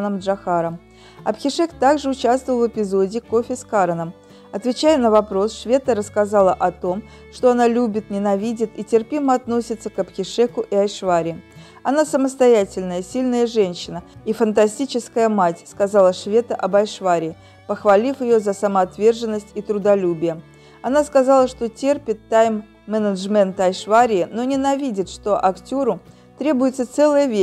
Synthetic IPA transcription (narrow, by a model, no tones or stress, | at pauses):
nəmʐɐxaɾəm | ɐ̰pxʲɪʂɛkt̪aɡʐɨʊt͡ɕast̪vəlˠvɨpʲɪzodʲɪːko̞fʲɪskaɾənəm | ɐt̪vʲɪt͡ɕæjɪnəvɐpɾo̞sʂvʲe̞t̪əɾəskazɑlˠəʔɐt̪o̞m | ʂt̪o̞ɐnalʲubʲɪt̪nʲɪnɐvʲidʲɪt̪itʲɪrpʲiməɐt̪no̞sʲɪt̪səkɐpxʲɪʂɛkʊʔiɐjʂvaɾʲɪː | ɐnasəməst̪ɐjætʲɪlʲnəjəsʲilʲnəjəʐɛnʲɕːɪnəifənt̪ɐsʲtʲit͡ɕɪskəjəmatʲskazɑlˠəʂvʲet̪əʔɐbɐjʂvaɾʲɪː | pəxvɐlʲifjɪjozəsəməɐt̪vʲe̞rʐɨnːəsʲtʲit̪ɾʊd̪ɐlʲubʲɪjə | ɐnaskɐzɑlˠəʂt̪o̞tʲe̞rpʲɪt̪ːajmː | ɛnəʐmʲɛnt̪əɐjʂvaɾʲɪɪno̞nʲɪnɐvʲidʲɪt̪ʂt̪o̞ʔɐktʲoɾʊ | t̪ɾʲe̞bʊjɪt̪sət̪sɛlˠəjəvʲe